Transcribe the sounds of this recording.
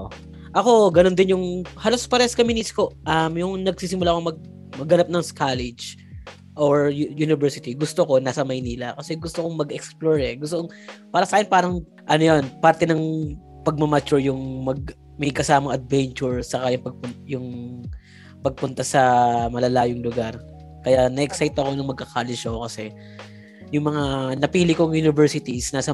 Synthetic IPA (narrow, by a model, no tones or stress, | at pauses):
ʔɐko̞ɡɐnond̪ɪnjʊŋhaːlospɐɾɛskɐmɪːnisko̞ʔɐmjʊŋnɐɡ̚siːsɪmʊlakoŋmɐɡ̚ | mɐɡɐnap̚nɐŋskalɛd͡ʒ | ʔoɹjjunɪvɛɹsɪt̪iɡʊst̪oko̞naːsɐmɐjniːlɐkɐsɛɡʊst̪okoŋmɐɡɛksploɹɛɡʊst̪ooŋ | paːɾɐsɐakɪnpaːɾɐŋ | ʔɐnojonpaɾt̪ɛnɐŋ | pɐɡ̚mɐmɐt͡ʃʊɹjʊŋmɐɡ̚ | mɐɡ̚kɐsaːmɐŋʔɐd̪̚vɛnt͡ʃʊɹt͡ʃɐkajʊŋpɐɡ̚pʊjʊŋ | pɐɡ̚pʊnt̪asɐmɐlɐlaːjoŋlʊɡaɾ | kɐjanɐʔɛksajt̪ɐko̞nɐŋmɐɡ̚kɐkʰaːlɪd͡ʒɐokɐsɛ | jʊŋmɐŋanɐpiːlɪkoŋjunɪvɛɹsɪt̪iɪsnaːsɐ